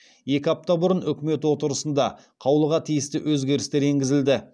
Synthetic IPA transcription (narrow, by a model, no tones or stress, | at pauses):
je̞kʲɪɑp̚t̪ɑbʊɾənʏkʲɪme̞t̪wo̞t̪əɾəsənd̪ɑ | qʰɑwlˠəʁɑt̪ʰijɪst̪ɪwɵzɡʲe̞ɾɪst̪e̞ɾe̞ŋɡʲɪzɪld̪ɪ